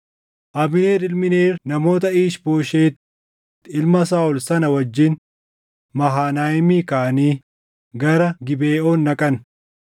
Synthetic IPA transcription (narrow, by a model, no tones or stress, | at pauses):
ʔɐbɪneːɾɪlmɪneːɾnɐmo̞ːt̪̬ɐiːʃbo̞ːʃeːt̪ː | ɪlmɐs̬aːʊlsɐnɐwɐd͡ʒːɪn | mɐɦaːnaːjɪmiːkaːniː | ɡɐɾɐɡɪbeːʔoːnːɐkʼɐn